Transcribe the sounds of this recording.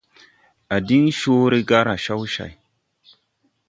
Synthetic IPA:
a˨di˦ŋʃo˦ɾe˦ɡa˦ɾa˨ʃa˦wʃa̰˨j

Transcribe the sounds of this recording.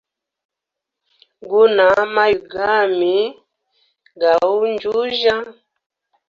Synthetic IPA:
ɡu˦na˨˦ma˦ju˨ɡa˦˨mi˨˦ | ɡa˨u˦nd͡ʒu˦ʒa˦

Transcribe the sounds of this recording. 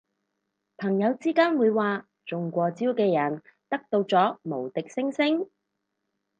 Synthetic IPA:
pʰɐ˨˩ŋjɐ˨˧wt͡siː˥kaː˥nwuː˨˧jwaː˨ | t͡sʊ˨ŋkʷɔː˧t͡siː˥wkɛː˧jɐ˨˩nt̪ɐ˥k̚t̪o˧wt͡sɔː˨˥mo˨˩wt̪ɪ˨k̚sɪ˥ŋsɪ˥ŋ

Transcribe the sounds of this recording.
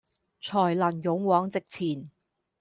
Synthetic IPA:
t͡sʰɔː˨˩jlɐ˨˩njʊ˨˧˥ŋwɔː˨˥ŋt͡sɪ˨k̚t͡sʰiː˨˩n

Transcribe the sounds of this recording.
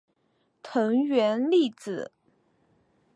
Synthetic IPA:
t̪ʰɤ˧˥ŋɥɛ˧˥nli˥˩t͡sɹ̩˨˩˦

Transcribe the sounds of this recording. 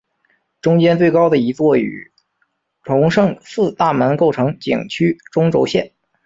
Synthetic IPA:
ʈ͡ʂʊ˥ŋt͡ɕjɛ˥nt͡swe˥˩ɪkɑ˥ʊd̪ə˨i˧˥t͡swɔ˥˩y̰˨˩ | ʈ͡ʂʰʊ˧˥ŋʂɤ˥˧ŋsɹ̩˥˧t̪a˥˩mə˧˥nko˥˩ʊʈ͡ʂʰɤ˧˥ŋt͡ɕḭ˨˩ŋt͡ɕʰy˥ʈ͡ʂʊ˥ŋʈ͡ʂo˧˥ʊɕjɛ˥˩n

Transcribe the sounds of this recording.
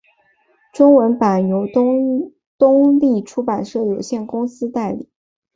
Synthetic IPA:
ʈ͡ʂʊ˥ŋwə˧˥npa˨˩njo˧˥ʊ˥ | t̪ʊ˥ŋli˥˩ʈ͡ʂʰu˥pa˨˩nʂɤ˥˩jo˨˩ʊɕjɛ˥˩nkʊ˥ŋsɹ̩˥t̪a˥˩ɪlḭ˨˩˦

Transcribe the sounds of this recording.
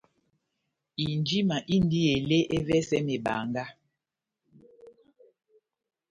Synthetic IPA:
i˨nd͡ʒi˦ma˨ʔi˦n˦di˦e˨le˦ʔe˦vɛ˦sɛ˦me˨ba̰˨ŋɡa˦

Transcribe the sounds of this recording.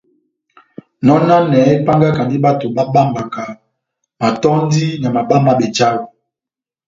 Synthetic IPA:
nɔ˦na˦nɛ˨˦pa˦ŋɡa˦ka˨ndi˦ɓa˦to˨ɓa˦ɓa˦mba˨ka˨ | ma˨tɔ˦ndi˦na˨ma˨ɓa˦ma˦˨ɓɛ˨t͡ʃa˦wo˨

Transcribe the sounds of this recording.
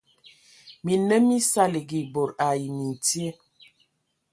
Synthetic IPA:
mi˨nə˦mi˦sa˦li˨ɡi˨bo˨ɾa˨ji˨mi˨n˨ti˦e˦

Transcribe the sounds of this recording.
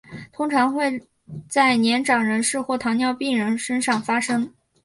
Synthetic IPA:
t̪ʰʊ˥ŋʈ͡ʂʰɑ˧˥ŋxwe˥˧ɪ | t͡sa˥˩ɪnjɛ˧˥nʈ͡ʂɑ˨˩ŋɻə˧˥nʂɻ̩˥˧xwɔ˥˩t̪ʰɑ˧˥ŋnjɑ˥˧ʊpi˥˩ŋɻə˧˥nʂə˥nʂɑ˥˩ŋfa˥ʂɤ˥ŋ

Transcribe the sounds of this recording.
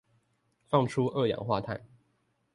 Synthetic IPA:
fɑ˥˩ŋʈ͡ʂʰu˥ʔɤ˥˩jɑ̰˨˩ŋxwa˥˧t̪ʰa˥˩ɪ

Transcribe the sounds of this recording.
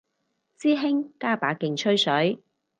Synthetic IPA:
t͡siː˥ɦɪ˥ŋkaː˥paː˨˥kɪ˨ŋt͡ʃʰɵ˥ɥsɵ˨˥ɥ

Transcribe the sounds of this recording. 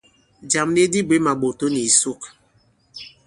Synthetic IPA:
d͡ʒa˨mni˦di˦bwe˦ma˨ɡ͡bo˨to˦ni˨su˦k

